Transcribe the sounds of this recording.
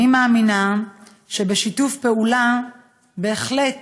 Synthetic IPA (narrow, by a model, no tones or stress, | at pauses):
imaaːmina | ʃe̞beʃitufpe̞ula | be̞ːχle̞t